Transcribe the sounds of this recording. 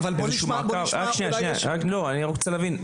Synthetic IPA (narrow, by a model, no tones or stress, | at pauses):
vezeʃumakavʁakʃnejaʃnejaakloaniʁokt͡selavin